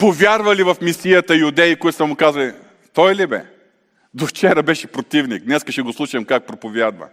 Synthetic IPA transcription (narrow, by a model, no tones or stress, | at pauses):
povʲjaɾvɐlivɐfmisijɐt̪ɐjʊd̪ɛikoit̪ʊsɐmʊkazvɐli | t̪ɔjlibɛ̰ | d̪oft͡ʃɛɾɐbɛʃɛ̥pɾot̪ivnik̚d̪nɛskɐʃɛɡoslˠuʃɐmkak̚pɾopovʲjad̪vɐ̰